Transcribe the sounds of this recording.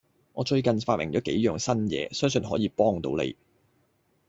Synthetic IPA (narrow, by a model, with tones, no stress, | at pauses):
ŋɔː˨˧t͡ʃɵ˧ɥkɐ˨nfaː˧t̚mɪ˨˩ŋt͡ʃɔː˨˥ke˨˥jjœː˨ŋsɐ˥njɛ̰ː˨˧sœː˥ŋs̬ɵ˧nɦɔː˨˥jiː˨˧pɔː˥ŋt̪o̰˨˥wlḛ˨˧j